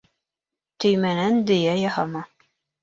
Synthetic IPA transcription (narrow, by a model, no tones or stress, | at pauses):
t̪ɵ̆jmænænd̪ɵ̆jæjɑhɑmɑ